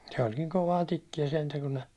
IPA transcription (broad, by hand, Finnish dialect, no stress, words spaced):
se olʲ niŋ koʋɑː tikːijæ sentæ kun ne